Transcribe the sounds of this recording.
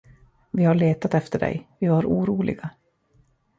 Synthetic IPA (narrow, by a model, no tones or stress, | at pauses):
vɪhaɭeːt̪at̪ɛft̪əɖɛ̰jvɪvaɾʔuːɾuːlɪ̰ɡa